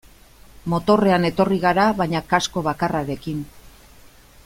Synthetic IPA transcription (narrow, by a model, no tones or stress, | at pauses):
mo̞t̪o̞re̞ane̞t̪o̞riɣ̞aɾaβajɲakasko̞β̞akaraɾe̞kin